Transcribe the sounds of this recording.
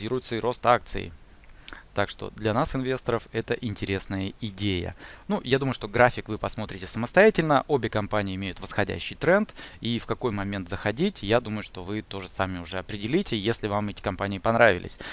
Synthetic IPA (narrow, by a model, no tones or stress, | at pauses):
iɾʊjʊt̪səɪɾo̞st̪ak̚t̪sɨ̰ɪ̰ | t̪akʂt̪o̞̰d̪lʲɐnasɨnvʲe̞st̪əɾəfɛt̪əʔɪnʲtʲɪɾʲe̞snəjəɪdʲejə̰nujad̪uməjʊʂt̪o̞ɡɾafʲɪkvɨpɐsmo̞t̪ɾʲɪtʲɪsəməst̪ɐjætʲɪlʲnəʔobʲɪkɐmpanʲɪɪɪmʲejʊt̪vəsxɐdʲæ̰ɕːɪjt̪ɾɛnt̪ifkɐko̞jmɐmʲe̞nt̪zəxɐdʲitʲjad̪uməjʊʂt̪o̞vɨt̪o̞ʐɨsamʲɪʊʐɛɐpɾʲɪdʲɪlʲitʲɪjesʲlʲɪvamɛtʲɪ̥kɐmpanʲɪɪpɐnɾavʲɪ̰lʲɪ̰sʲ